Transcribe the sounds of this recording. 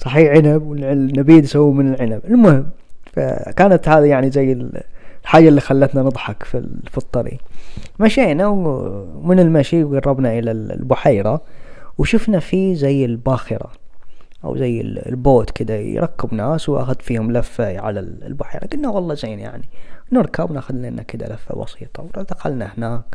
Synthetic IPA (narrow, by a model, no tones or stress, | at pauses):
sˤɑħiːʕɪnabwɪlnabiːd̪sawːmɪnɪlʕɪnabɪlmʊhɪmː | fa̰kaːnat̪haːðajaʕnizajːɪlħaːd͡ʒalːixalːat̪nanɨd̪ˤħɑkfḭfɑt̪ˤːɑɾḭmaʃeːnaw | mɪnɪlmaʃiɡɑrˤːɑbnaʔɪlallbʊħaːɾˤawʃʊfnafizajːɪlbaːxɪɾˤa̰ | ʔa̰wzajːɪ̰llboːt̪kɪd̪aj̰ɾˤɑkːɪbnaːswʔa̰xʊd̪fiːhʊmlafːaʕalallbʊħḛːɾaɡɪd̪nawɑlˤːɑzeːnja̰ʕninɪɾkabnaxʊd̪naʔɪnːʔakɪd̪a̰lafːa̰bɑ̰siːt̪ˤɑwɾd̪axalnahnaːk